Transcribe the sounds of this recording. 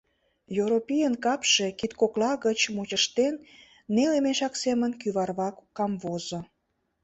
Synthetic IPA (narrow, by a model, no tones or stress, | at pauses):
joɾopijənkɑpʃekit̪koklɑɣət͡ɕmut͡ɕəʃt̪enː | elemeʃɑksemənkyβɑrβɑkːɑmβozo